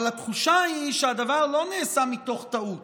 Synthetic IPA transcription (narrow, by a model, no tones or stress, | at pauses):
lat̪χuʃaiʃead̪avaʁlo̞neːsamit̪o̞χt̪aut